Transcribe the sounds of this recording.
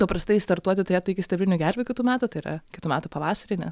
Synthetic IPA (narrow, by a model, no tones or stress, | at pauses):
t̪opɾɐst̪ɐɪst̪ɐɾt̪uɔt̪ʲɪt̪ʊɾʲeːt̪ʊɪkʲɪsʲt̪ʲɛbʲlʲɪnʲʊɡʲæɾʲʋʲɪkʲɪt̪uːmʲæːt̪ut̪ɐɪiɾɐ̰kʲɪt̪uːmʲæːt̪uːpɐʋɑːsɐɾʲɪːnʲɛ̰s